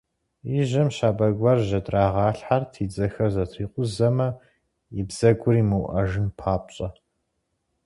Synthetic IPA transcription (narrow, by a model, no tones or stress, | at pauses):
iʒɐmɕaːbɐɡʷɐrʒɐtʼraːʁɑːɬħartʰiːd͡zɐxɐrzɐtʰiːqʷʼʊzɐmɐ | ɪbz̥ɐɡʷʊriːmɨwʔɐ̰ʒɨnpʰaːpʼɕʼɐ